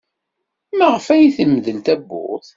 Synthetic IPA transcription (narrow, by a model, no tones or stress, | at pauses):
mæʁəfæjiθəmːəðəlt̪æbːʊ̰ʁθ